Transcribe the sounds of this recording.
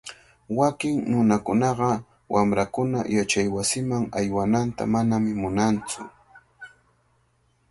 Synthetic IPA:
wakɪŋnʊnakʊnɑɢɑ | wʔamɾakʊna̰jat͡ʃajwasɪmaŋajwanant̪a̰manamɪmʊnant͡sʊ̰

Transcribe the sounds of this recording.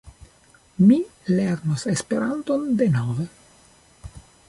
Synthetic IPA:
mileɾnosespe̞ɾant̪o̞nd̪e̞nove

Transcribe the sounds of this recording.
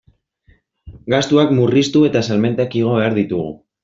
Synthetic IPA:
ɡast̪uakmurist̪ue̞t̪asalme̞nt̪ekiɣ̞o̞βe̞aɾðit̪uɣ̞ṵ

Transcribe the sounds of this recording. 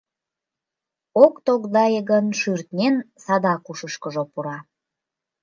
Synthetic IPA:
okt̪oɣd̪ɑjəɣənʃyrt̪nʲensɑd̪ɑkuʃəʃkəʒopuɾɑ

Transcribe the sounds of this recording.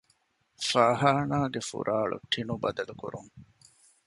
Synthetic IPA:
faːɦaːnaːɡefṵɾʔaːɭṵʈʰːinubɐd̪ɐlukuɾuŋ

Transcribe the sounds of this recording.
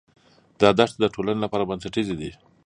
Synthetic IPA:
d̪ɑd̪aʂt̪̚d̪əʈolanelapɑɾabansaʈized̪i

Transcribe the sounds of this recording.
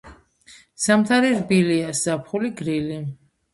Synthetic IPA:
samt̪ʰaɾiɾbiliasz̥apʰχuliɡɾili

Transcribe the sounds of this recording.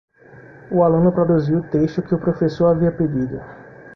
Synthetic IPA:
ʊalũnʊpɾod̪uziwʊt̪eʃt̪ʊkɪʊpɾofesoɾaviɐped̪id̪ʊ

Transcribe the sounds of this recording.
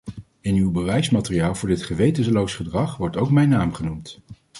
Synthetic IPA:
ɪnywbəʋɛjsmaːtɪrijaːlˠvʊːɹdɪtχəʋejtənslowsχədrɑχʋɔɹtowkmɛjnːaːmχənumt

